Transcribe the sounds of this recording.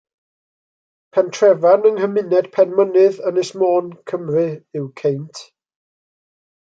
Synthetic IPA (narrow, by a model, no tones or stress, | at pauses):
pʰɛntʰrɛvanəŋhəmɪnɛd̥pʰɛnmənɨðənɪsmɔːnkʰəmrɨɪwkʰejntʰ